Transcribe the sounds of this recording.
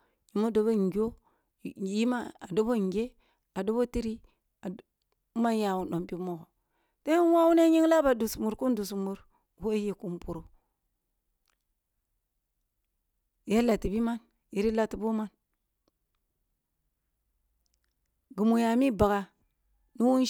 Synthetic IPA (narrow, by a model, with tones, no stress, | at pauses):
ji˨mo˦do˨bo˦ŋ˨ɡo˦˨ | ji˦ma˦a˨do˦bo˦˨ŋ˨ɡʲe˦ | a˨do˦bo˦ti˦ɾi˦ | a˨˦ | ma˦nja˨wu˨ɗo˨mpi˦mo˦ko˨ | te˦nwa˦wu˦ne˦ɲi˦ŋla˦ba˨du˨smu˨ɾku˦ndu˨s̬mu˨ɾ | ho˦ji˨ku˦mpu˨ɾu˨ | ja˦la˨ti˨bi˦ma˦n | ji˨ɾi˦la˦ti˨bo˦ma˦n | ɡu˨mu˨ja˨mi˦ba˨ɡa˨ | nu˦wu˦n˦